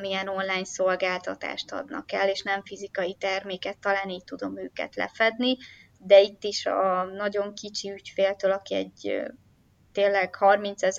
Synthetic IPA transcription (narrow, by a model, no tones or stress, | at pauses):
miɛno̞nlaːɲso̞lɡaːlt̪ɒt̪a̰ːʃt̪ɒ̰d̪nɒ̰kɛlːeːʃnɛɱfizikɒjit̪ɛrmeːkɛt̪ːɒlaːniːc̚t̪ud̪o̞mø̰ːkɛ̰t̪lɛ̰fɛd̪ni | d̪ɛit̪ːiʃɒnɒɟo̞ŋkit͡ʃiycfeːlt̪øːlɒkiɛ̰ɟø | t̪eːnlːɛɡ̥hɒrmint̪sɛz